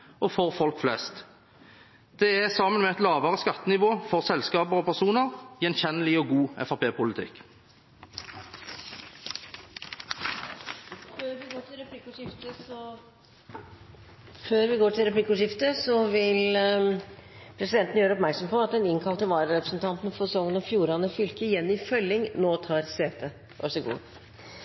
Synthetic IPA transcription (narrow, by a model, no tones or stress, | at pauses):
ʔɔfɔʁfɔlkflɛst̪ | d̪̥ɛæʁsɑmənmɛɛt̪lɑːʋəʁəskɑt̪ːənɪʋoːfɔʁsɛlskɑːbəʁɔpʰæʁsuːnəʁjɛnçɛnəlɪɔɡuːɛ̰fɑpʰeːpʊlɪt̪ʰɪ̰k | føːɾʋɪɡoːʈʰɪlɾɛpʰlɪkːʊʂɪft̪əsɔ | føːɾʋɪɡoːʈʰɪlɾɛplɪkːʊːʂɪft̪əsɔʋɪl | pʰɾɛsɪd̪ɛnt̪n̩jøːɾəɔpmæɾksɔmpɔɑt̪d̪ɛnɪŋkʰɑlt̪əʋɑːɾəɾɛpɾəsn̩t̪ʰɑnt̪n̩fɔɛsɔŋːənɑfjuːɾɑnəfʏlkəɪjɛnːɪfœlːɪŋnoːt̪ʰɑːɾseːt̪ʰə | ʔɑ̰ʂɛɡṵː